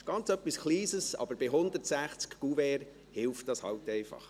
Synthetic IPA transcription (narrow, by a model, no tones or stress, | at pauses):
ɡ̥ɑnt͡sœpːiskʰliːsəsɑ̰b̥əɾbɪɦʊnd̪əɾtsæχt͡skɡ̥uvɛːɾ | hɪlft̚d̥ɑshɑ̰wtɛɪfɑ̰χ